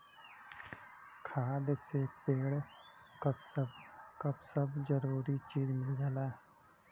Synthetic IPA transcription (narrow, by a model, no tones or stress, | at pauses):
kʰaːd̪sepeːɽ | kəbsəbkɐbsəbzəɾuːɾit͡ʃiːzmɪlɡaːlaː